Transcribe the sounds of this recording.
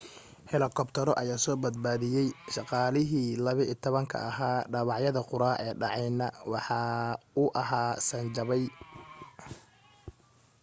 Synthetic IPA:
ħɪlɐkʰɔbt̪ʰɐɾɔʔɐjaːsɔːbɐd̪̚baːðɪjɛjʃɑqɑːlɪɦiːlɐβɪʔːt̪ʰɔβɐŋkʰɐ̰ːɦaːɖɑβɑʕjɐðɐqʊɾaːʔɛːɖɑʕɑjnɐwɑħɑːʊʔɐɦaːsɐnt͡ʃɐβɛj

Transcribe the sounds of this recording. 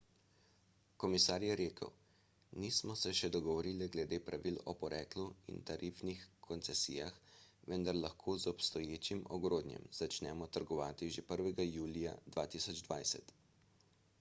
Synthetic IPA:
kɔmisaːɾjɛɾeːkə̰w | nismɔsɛʃɛd̪ɔɡɔʋɔɾiːlɛɡlɛd̪eːpɾaʋilɔpɔɾʔɛːkluḭnt̪aɾʔiːfnixkʰɔnt̪sɛsḭːjaxʋənd̪aɾlaxkʰoːzɔpst̪ɔjeːt͡ʃimɔ̰ɡɾoːd̪njɛ̰mz̥at͡ʃnɛːmɔt̪əɾɡɔʋaːt̪iʒepəɾʋɛɡajuːlija̰d̪ʋaːt̪isɔd͡ʒd̪ʋa̰jsɛ̰t̪

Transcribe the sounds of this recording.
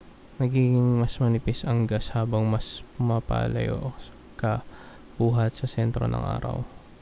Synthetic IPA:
nɐɡiːɡɪŋmɐsmɐnɪpɪsɐŋɡashaːbɐŋmɐspʊmapa̰ːlɐ̰jo̰ʔ | kɐ | buːɦɐt̪̚sɐsɛnt̪ɾo̞̰nʔɐ̰ŋʔa̰ːɾɐ̰w

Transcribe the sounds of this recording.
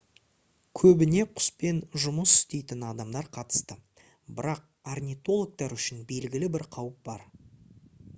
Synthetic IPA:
kʲʰɵbɪne̞qʰʊ̥spe̞nʒʊməsʏ̥st̪e̞jt̪ɪnɑd̪ɑmd̪ɑɾqʰɑt̪ə̥st̪ə | bɪɾɑq̚ | arnʲijt̪o̞lˠok̚t̪ɑɾʏʃɪnbe̞lɡʲɪlɪbɪɾqʰɑwəp̚b̥ɑɾ

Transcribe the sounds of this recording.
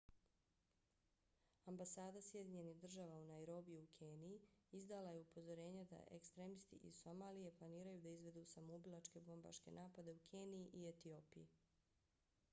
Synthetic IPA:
ambasaːd̪asje̞d̪iɲe̞niɣd̪r̩ʒaːʋaunaeɾo̞bijuukʰeːniiizd̪alaje̞upo̞zo̞ɾe̞ːɲed̪a̰ʔḛkst̪ɾemist̪ḭʔḭso̞maːlije̞plˠaniːɾajud̪aizʋe̞d̪usamobilˠat͡ʃke̞bo̞mba̰ʃke̞̰nʔaːpad̪e̞ukʰeːnijiʔiet̪io̞ːpiji

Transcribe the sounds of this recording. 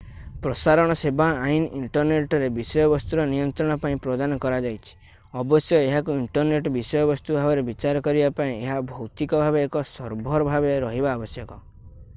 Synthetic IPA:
pɾɔsaɾɔɽ̃ɔsebaainʔiɳʈɔɾneʈɔɾebisɔjɔbɔst̪uɾɔnijɔnt̪ɾɔɽ̃ɔpaĩpɾɔd̪anɔkɔɾad͡ʒajt͡ʃʰi̥ | ɔbɔsjɔeɦakuiɳʈɔɾneʈɔbisɔjɔbɔst̪ubʱabɔɾebit͡ʃaɾɔkɔɾibapaĩeɦabʱɔwt̪ikɔbʱabeːkɔsɔɾbʱɔɾɔbʱabeɾɔɦibaːbɔsjɔkɔ

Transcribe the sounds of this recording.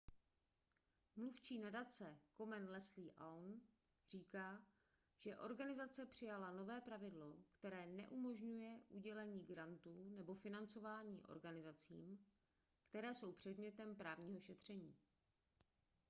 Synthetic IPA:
mluft͡ʃiːnadat͡sɛko̞mɛnlɛsliːʔawn | r̝̥iːkaː | ʒ̥ɛʔo̞ɾɡanɪzat͡sɛpr̥ɪjalano̞vɛːpɾavɪdlo̞kt̪ɛɾɛːnɛ̰ʔumo̞ʒɲujɛʔuɟɛlɛɲiːɡɾant̪uːnɛbo̞fɪnant͡so̞vaːɲḭːʔo̞̰ɾɡanɪzat͡sḭːm | kt̪ɛɾɛːso̞wpr̝̥ɛdmɲɛt̪ɛmpɾaːvɲiːɦo̞ʃɛt̪r̝̥ɛɲiː

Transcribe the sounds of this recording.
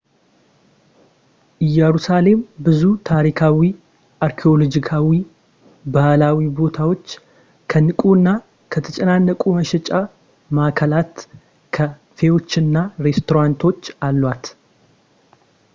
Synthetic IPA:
ʔɨjɛɾusale̞mbɨzut̪ʰaɾikʰawi | ʔaɾkʰeo̞lod͡ʒikʰawi | bahlawibo̞t̪ʰawo̞t͡ʃː | kʰənɨkʼuɨnːa | kʰət̪ʰət͡ʃʼɛnanːəkʼuməʃɛt͡ʃʼa | maʔkʰəlat̪ | kʰə | fe̞wo̞t͡ʃːɨnːaɾe̞st̪ʰo̞ɾant̪ʰo̞t͡ʃːalːwat̪

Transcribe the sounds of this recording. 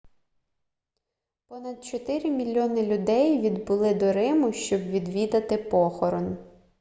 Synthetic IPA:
pɔnɐd̪̚t͡ʃɔt̪ɪɾʲimʲilʲːɔnɪlʲʊd̪ɛjʋʲid̪bʊlˠɪd̪ɔɾɪmʊʃt͡ʃɔbʋʲid̪ʋʲid̪ɐt̪ɪpɔxɔɾɔn

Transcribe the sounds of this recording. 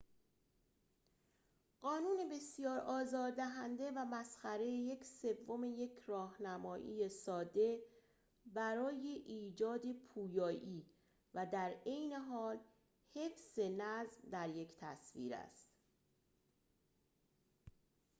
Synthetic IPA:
ɢɒːnuːne̞be̞sjɒːɾʔɒːzɒːɾd̪æɦænd̪e̞væmæsxæɾe̞jeje̞cʰse̞vːo̞me̞je̞cʰɾɒːhnæmɒːʔḭːjesɒːd̪e̞ | bæɾɒːje̞ʔiːd͡ʒɒːd̪e̞pʰuːjɒːʔiː | væd̪æɾe̞jne̞ɦɒːl | he̞fse̞næzmd̪æɾje̞cʰt̪ʰæ̰svḭːɾæ̰st̪

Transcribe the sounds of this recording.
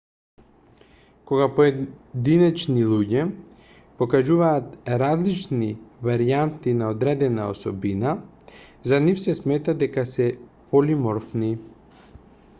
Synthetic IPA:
koɡapoɛd̪inɛt͡ʃnilˠuɟɛ | pokaʒuvaːt̪ɾazlit͡ʃnivaɾiant̪inaod̪ɾɛd̪ɛnaosɔbina | zanifsɛsmɛt̪ad̪ɛkasɛpolimɔɾfni

